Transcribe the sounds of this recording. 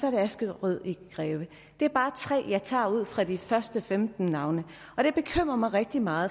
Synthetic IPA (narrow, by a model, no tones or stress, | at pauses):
sɒɐɾe̝æsɡ̥əð̩ˠʁyð̞̰ˠiɡ̥ʁɛːʊə | d̥e̝æɐb̥ɑ̈ːt͡sʰʁɛ̰ːjɑ̈ɪt͡sʰɑ̰̈ːuð̰ˠfʁɑ̈d̥ifɶɐsd̥əfemd̥n̩nɑ̈ʊnə | ɒ̽ɾ̥e̝b̥e̝kʰøm̰ʁɐmɑ̈ɪʁeɡ̥̚d̥imɑ̈ːð̩ˠ